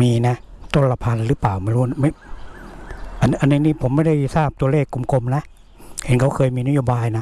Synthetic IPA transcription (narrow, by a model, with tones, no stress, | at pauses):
miː˧na˦˥ʔt̪o˧˥˩la˧pʰa˧nɾɯː˦˥paː˨˩wma˧˥˩jɾuː˦˥˨ma˥˩ | ʔa˧nʔa˧nːi˧niː˥˩pʰo˩˦mːa˥˩jda˥˩jsaː˥˩p̚t̪u˧ɐ˧leː˥˩kːu˧mko˧mna˦˥ʔ | he˨˦nkʰa˧˥wkʰɤː˧jmiː˧na˦˥joː˧baː˧jna˦˥